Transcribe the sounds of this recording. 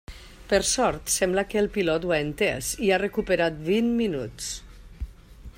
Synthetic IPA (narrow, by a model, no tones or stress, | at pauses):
pəɾsɔɾt̪sɛmblakəːlˠpilɔt̪waent̪ḛsiarəkupəɾat̪̚binminuts